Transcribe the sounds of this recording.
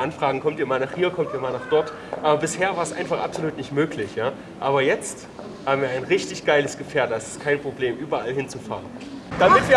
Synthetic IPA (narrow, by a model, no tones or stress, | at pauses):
ʔanfʁ̥aːɡŋ̩kʰɔmtiːɐmaːlnaːχhiːɐkʰɔmtiːɐmaːlnaːχd̥ɔɐt | ʔaːbɐbɪsheːɐvaːɐsʔa̰ɪnfaχʔa̰pz̥oluːtnɪçtmøːklɪçjaː | ʔaːbɐjɛt͡st | haːbm̩viːɐaɪnʁɪçtɪçɡ̥aɪləsɡ̥əfɛːɐddasɪ̥stkʰaɪnpʁ̥obleːmʔyːbɐalhɪnt͡sufa̰ːʁən | d̥amɪtv̥iː